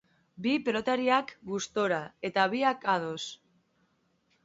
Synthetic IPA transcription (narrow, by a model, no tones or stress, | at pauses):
bipelo̞t̪aɾiakɡust̪o̞ɾae̞t̪aβiakaðo̞s